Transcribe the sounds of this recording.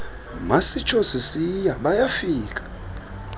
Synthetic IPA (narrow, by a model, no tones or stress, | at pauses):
masit͡ʃʰosisijaɓajafiːkʼḁ